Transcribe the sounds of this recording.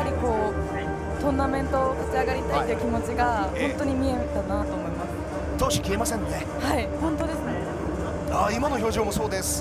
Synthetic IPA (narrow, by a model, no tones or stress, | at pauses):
aɾʲiko̞ː | t̪õ̞nːamẽ̞nt̪o̞kat͡ɕiaɡaɾʲit̪ait̪ːeɯ̟kʲimo̞t͡ɕiɡahõ̞nt̪o̞ɲ̟imʲie̞t̪anat̪oːmo̞imasɨ̥ | t̪oːɕi̥kʲie̞masẽnːone̞ | haihõ̞nt̪o̞d̪e̞sɨne̞ | aimano̞ço̞ːʑo̞ːmoso̞ːd̪esɨ̥